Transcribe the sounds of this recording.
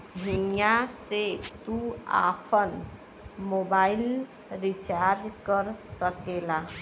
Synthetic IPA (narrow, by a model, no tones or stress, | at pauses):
bʱijaset̪ua̰ːpʰən | moːbaːɪl | ɾit͡ʃaːɾd͡ʒkəɾsəkelaː